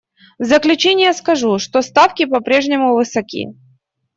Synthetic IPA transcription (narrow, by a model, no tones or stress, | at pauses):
zəklʲʉt͡ɕenʲɪjəskɐʐuʂt̪o̞st̪afkʲɪpɐpɾʲe̞ʐnʲɪmʊvɨsɐkʲḭ